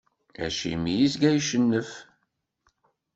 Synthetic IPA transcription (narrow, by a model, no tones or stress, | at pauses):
æ̰ʃḭmijisɡæjʃənːəf